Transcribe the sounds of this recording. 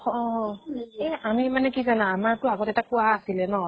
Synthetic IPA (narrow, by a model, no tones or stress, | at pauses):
ɔ | ɛamimanɛkizanaːmaɹtʊaɡɔtɛtakʊwaːsilɛnɔ